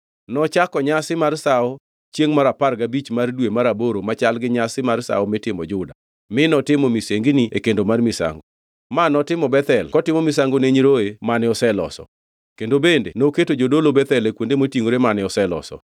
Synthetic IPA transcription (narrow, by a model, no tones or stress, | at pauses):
nɔt͡ʃakɔɲasɪmarsaɔ | t͡ʃjeŋmaɾaparɡabit͡ʃmardwemaɾaboɾomat͡ʃalɡɪɲasɪmarsa̰ɔmɪtɪmɔd͡ʒʊda | mɪnɔtɪmɔmiseŋɡniekendomarmɪsa̰ŋɡo | manɔtɪmɔbɛt̪ɛlkɔtɪmɔmɪsaŋɡoneɲɾoemanɪɔsɛlɔ̰sɔ̰ | kendobendenoketod͡ʒodolobɛt̪ɛlekwondemotjiŋoɾemanɪɔsɛlɔ̰sɔ̰